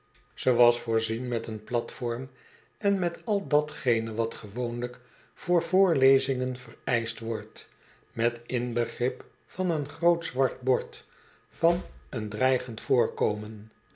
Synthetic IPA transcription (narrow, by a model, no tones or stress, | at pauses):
z̥əʋɑsfʊːɹzinmɛtənplɑtfɔɹm | ɛnmɛtɑlˠdɑtχejnəʋɑtχəʋownlək | fʊːɹvʊːɹlejzɪŋənvərɛjstʋɔɹt | mɛtɪnbəχrɪp | fɑnənχrowtzʋɑɹd̚bɔɹt | fɑnəndrɛjχəntfʊːɹkowmən